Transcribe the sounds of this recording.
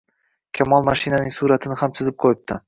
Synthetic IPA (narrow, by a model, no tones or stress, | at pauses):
kʲʰamɒlˠmaʃɪnanɪŋsuɾat̪ʰɪnɪhamsɪzɪp̚qʰojɪp̚t̪ʰɪ